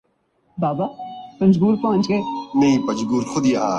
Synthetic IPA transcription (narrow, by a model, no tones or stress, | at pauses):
baːbapɐ̃nd͡ʒɡuːɾpɐɦə̃nt͡ʃɡeːnɐĩpɐd͡ʒɡuːɾxʊd̪iːaː